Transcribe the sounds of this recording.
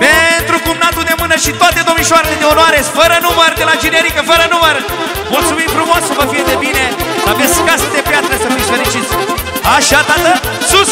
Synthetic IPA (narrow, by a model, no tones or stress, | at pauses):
pent̪ɾupumnad̪ud̪emɨnəʃit̪oat̪ed̪omiʃaɾeled̪eonoaɾesfəɾənuməɾd̪elad͡ʒineɾikəfəɾənuməɾ | mult̪sumimfɾumosuvəfied̪ebineaveskasɐd̪epjat̪ɾɐsɐviʃveɾit͡ʃit̪s | aʃat̪at̪ə | su